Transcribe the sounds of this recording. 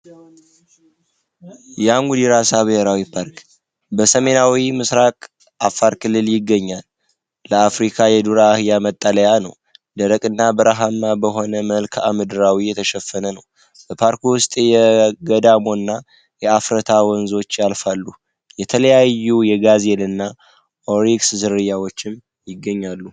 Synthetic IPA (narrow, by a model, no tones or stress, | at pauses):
jaŋɡud̪iɾasaβɨheɾawipʰaɾk | bəsəme̞nawimɨsɾakʼ | ʔafːaɾkɨlːɨljɪɡːəɲːalː | əafɾikʰajɛd̪uɾaːhɨjamət̪ʼːələjanəw | d̪əɾəkʼɨnːabəɾaɦamːabəɦo̞nəməlkʰamɨd̪ɨɾawijɛt̪ʰəʃɛfːənənəw | b̥əpʰaɾkwʊst̪ʼjɛɡəd̪amo̞nːa | jɛafɾət̪ʰawɔnzo̞t͡ʃːjalfalːu | jɛt̪ʰələjajːujɛɡazelɨnːa | ʔoɾikszɨɾɨjawo̞t͡ʃːɪm | jɪɡːəɲːalːu